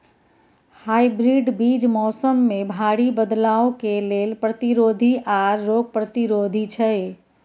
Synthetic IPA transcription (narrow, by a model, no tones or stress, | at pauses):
hajbɾiɖbid͡ʒmɔsəmːebʱaɽibəd̪laokelelpɾət̪iɾod̪ʱiʔaɾːoɡ̚pɾət̪iɾod̪ʱit͡ʃʰəj